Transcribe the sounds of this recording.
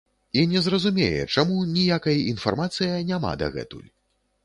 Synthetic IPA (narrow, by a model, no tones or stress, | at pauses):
inʲɛzrɐzumʲejɛ̰t͡ʂamunʲijakɐjinfarmat̪sɨjɐnʲama̰d̪ɐ̰ɣɛ̰t̪ṵlʲ